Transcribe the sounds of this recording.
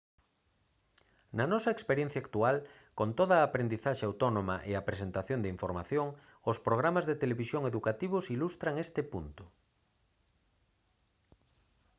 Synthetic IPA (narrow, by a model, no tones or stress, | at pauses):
nanɔsɐekspeɾjẽn̟θjakt̪ual | kont̪oðɐaːpɾend̪iθaʃeawt̪onõmaʔeapɾesent̪aθjond̪eiɱfoɾmaθjoŋ | ospɾoɣ̞ɾamazðet̪eleβisjoŋeðukat̪iβ̞ʊsilust̪ɾaŋest̪ɪpunt̪ʊ̥